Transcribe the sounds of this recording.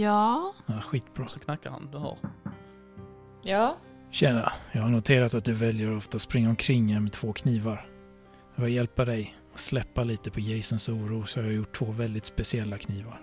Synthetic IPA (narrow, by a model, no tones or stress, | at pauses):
jɑːaɧiːt̪bɾɑːsɔkʰnakːaɾha̰nd̪ɵha̰ɾ | jɑː | ɕɛna̰jɑːɡhaɳʊt̪ʰeːɾat̪at̪̚d̪ɵvɛljəɾɔft̪aspɾɪŋːaɔmkʰɾɪŋːæɾmɛt̪ʰv̥oːkʰniːvaɾ | jɑvœjɛlpad̪ɛj | ɔslɛpːaliːt̪əpʰɔjɛjsənsuːɾuːsɔhaɾjajʊʈʰːv̥oːvɛld̪ɪt̪spɛsɪɛlːakʰniːvaɾ